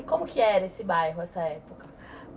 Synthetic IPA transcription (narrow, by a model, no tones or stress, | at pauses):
kõmʊkɪɛɾɐesɪbajɦʊɛsɐɛpokɐ